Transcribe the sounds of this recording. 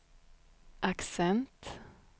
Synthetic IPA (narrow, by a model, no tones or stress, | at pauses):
ʔaksɛnt̪